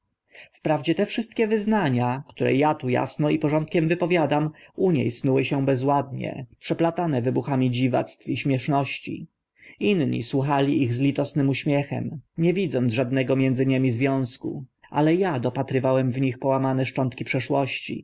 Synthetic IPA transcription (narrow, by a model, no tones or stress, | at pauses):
fpɾavd͡ʑɛt̪ɛfʂɘst̪̚kʲɛvɘznaɲakt̪uɾɛ̰jat̪uja̰snɔipɔʐɔnt̪̚kʲɛmvɘpɔvʲjad̪amuɲḛjsnuwɘɕɛbɛzwad̪̚ɲɛ̰pʂɛplat̪anɛvɘbuxamʲid͡ʑiva̰t̪st̪fiɕmʲjɛʂnɔɕt͡ɕḭ | inɲḭswuxalʲiʔiɣzlʲit̪ɔsnɘmuɕmʲjɛxɛ̰mɲɛvʲid̪zɔnd̪ʐad̪̚nɛɡɔmʲjɛnd̪zɘɲemʲizvʲjɔ̃w̃skṵa̰lɛjad̪ɔpat̪ɾɘvawɛmvɲixpɔwamanɛʂt͡ʂɔnt̪kʲipʂɛʂwɔɕt͡ɕḭ